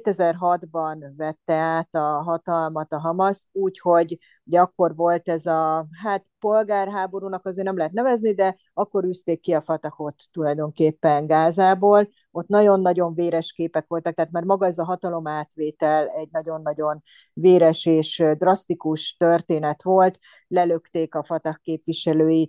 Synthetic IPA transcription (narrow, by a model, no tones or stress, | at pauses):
eːt̪ɛzɛrɦɒd̪bɒnvɛt̪ːɛaːt̪ɒɦɒt̪ɒlmɒt̪ɒɦɒmɒsuːcho̞ɟ | uɟɛɒkːo̞rʋo̞lt̪ɛzɒɦaːt̪po̞lɡaːrɦaːbo̞ɾuːnɒkɒzeːrnɛmlɛɦɛt̪nɛvɛznid̪ɛ | ɒkːo̞ɾyːst̪eːkːiɒfɒt̪ɒho̞t̪ːulɒjd̪o̞ŋkeːpːɛŋɡaːzaːboːl | o̞t̪nɒɟo̞nːɒɟo̞ɱveːɾɛʃkeːpɛkʋo̞lt̪ɒkt̪ɛːt̪marmɒɡɒɛzɒɦɒt̪ɒlo̞maːt̪ʋeːt̪ɛlɛɟ̚nɒɟo̞nːɒɟo̞n | veːɾɛʃeːʃd̪rɒst̪ikuʃt̪ørt̪eːnɛt̪ʋo̞lt̪ | lɛløkt̪eːkɒfɒt̪ɒhkːeːpʋiʃɛløːji